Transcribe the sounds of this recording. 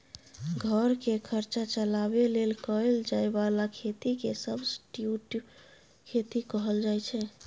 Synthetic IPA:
ɡʱəɾkekʰəɾt͡ʃat͡ʃəlabelelkəeld͡ʒaebalakʰet̪ikesəbʱsʈjuʈ | kʰet̪ikəɦəld͡ʒajt͡ʃʰɛ

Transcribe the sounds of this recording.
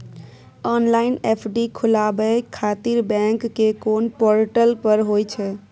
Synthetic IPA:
ɔnlaɪnepʰɖikʰulabəkʰat̪iɾbɛ̃ŋkːekoːnpɔɾʈəlpəɾɦojt͡ʃʰɛ

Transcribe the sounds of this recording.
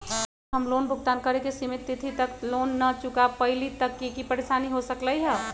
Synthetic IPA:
ɦəmlonbʱʊkt̪aːnkəɾekesimit̪ːɪt̪ʰit̪əklonːət͡ʃʊkapəɪlit̪əkːekipəɾesaniɦosəkləiɦɛ

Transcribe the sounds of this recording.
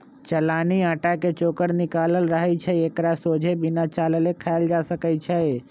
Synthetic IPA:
t͡ʃəlaːniaːʈaket͡ʃoːkəɽnɪkaːləlɾəɦəit͡ʃʰɛekɾasoːd͡ʒʱebʱɪnat͡ʃaːləlekʰald͡ʒasəkət͡ʃʰɛ

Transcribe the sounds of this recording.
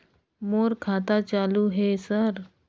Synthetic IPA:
moɾkʰat̪at͡ɕaluɦesəɾ

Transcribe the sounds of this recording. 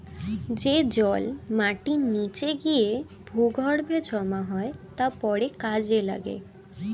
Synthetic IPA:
d͡ʑed͡ʑɔlmaʈinit͡ɕeɡie | bʱuɡʱɔɽbʱed͡ʑɔmaɦɔet̪apɔɽekad͡ʑela̰ɡḛ

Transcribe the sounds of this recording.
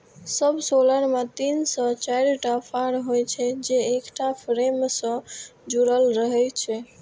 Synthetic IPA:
səbʱsoləɾmet̪insə̃t͡ʃajɾʈapʰaɾɦojt͡ʃʰɛd͡ʒeekʈapʰɾemsə̃d͡ʒuɾəlɾəɦɛt͡ʃʰɛ

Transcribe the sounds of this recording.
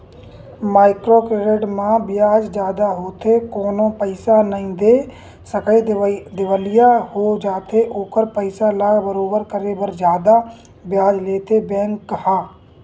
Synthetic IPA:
maːɪkɾokɾeɖeʈmãbɪjaːd͡ʒd͡ʒjaːd̪aɦoːt̪ʰekoːnõːpəɪsanəĩd̪eː | səked̪ɪʋəlɪjahod͡ʒaːt̪ʰeʔoːkəɾpəɪsalaːɡbəɾoːbəɾkəɾeːbəɾd͡ʒjaːd̪a | bjaːd͡ʒleːt̪ʰebɛ̃ːŋkːɦaː

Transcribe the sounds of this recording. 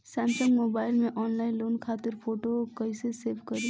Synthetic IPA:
sɛ̃ːmsə̃ŋɡmoːbaːɪlmẽʔɔːnlaːɪ̃nloːnkʰaːt̪ɪɾpʰoːʈokɐiseseːbkɐɾi

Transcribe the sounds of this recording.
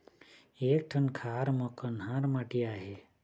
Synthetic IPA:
eːk̚ʈʰənkʰaːɾmɔkənɦãɾmaʈiaːɦe

